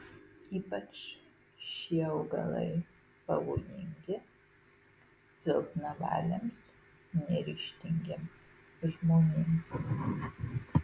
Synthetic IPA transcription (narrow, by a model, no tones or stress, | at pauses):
iːpɐt͡ʃ | ʃʲiɛɐʊɡɐ̰lˠɐ̰ɪ | pɐʋoːjɪŋʲɡʲɪ | sʲɪlˠknɐʋɑ̰ːlʲɛms | nʲɛɾʲiːʃʲt̪ʲɪŋʲɡʲeɛms | ʒmoːnʲeːms